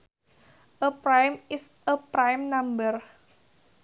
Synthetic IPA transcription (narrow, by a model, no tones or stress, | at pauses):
ʔəpɾajmɪs | əpɾajmnambər